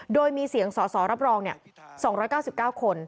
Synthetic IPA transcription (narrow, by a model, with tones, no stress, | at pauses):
doː˧jmiː˧si˨˩əŋsɔː˩˦sɔː˩˦ɾa˦˥p̚ɾɔː˧ŋni˥˩ɐsɔː˩˦ŋɾɔː˦˥jkaː˥˩wsi˨˩p̚kaː˥˩wkʰo˧n